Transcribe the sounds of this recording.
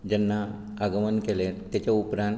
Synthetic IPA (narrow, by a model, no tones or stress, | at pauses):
d͡ʑɛnːaː | ɡəmənkelet̪ːjat͡ɕaupɾãn